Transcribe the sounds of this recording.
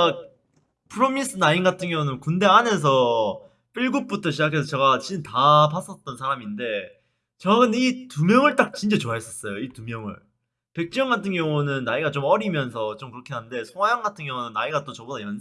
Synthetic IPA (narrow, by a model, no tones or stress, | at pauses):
pʰɯɾomins͈ʰɯnainɡatʰɯŋɡjʌŋunɯnkunde̞ane̞s̬ʰʌ | p͈iɭɡup̚p͈utʰʌɕʰid͡ʑakʰe̞s̬ʰʌt͡ɕeɡat͡ɕintap̬as͈ʌt̚t͈ʌnsʰaɾaminde̞ | t͡ɕʌɡɯnitumjʌŋɯɭt͈ak̚t͡ɕint͡ɕ͈et͡ɕoaɦes͈ʌs͈ʌjoitumjʌŋɯ̰ɭ | pe̞k̚t͡ɕ͈jʌŋɡatʰɯŋɡjʌŋunɯnːaiɡat͡ɕomʌɾimjʌnsʰʌt͡ɕomkɯɾʌkʰe̞ɦande̞sʰoŋwajʌŋɡatʰɯŋɡjʌŋunɯnːaiɡat͈ot͡ɕʌbodajʌn